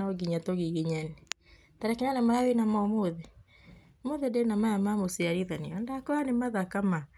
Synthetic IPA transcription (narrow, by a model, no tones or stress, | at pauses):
aɔɡiɲatoɣiɣiɲɛne | taɾɛkiɲanamaɾawenamaɔmoðe | moðedenamajamamosiaɾiðaniɔndakɔanemaðakama